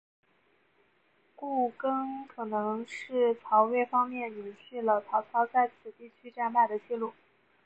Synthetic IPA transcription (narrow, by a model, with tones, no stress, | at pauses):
ku˥˩kɤ˥ŋkʰɤ˨˩nɤ˧˥ŋʂɻ̩˥˩t͡sʰɑ˧˥ʊwe˥˩ɪfɑ˥ŋmjɛ˥˩njo˨˧˩ʊɕʰy˥˩lə˩t͡sʰɑ˧˥ʊt͡sʰɑ˧˥ʊt͡sa˥˩ɪt͡sʰɹ̩˨˩t̪i˥˩t͡ɕʰy˥ʈ͡ʂa˥˧npa˥˩d̪ə˩t͡ɕi˥˧lu˥˩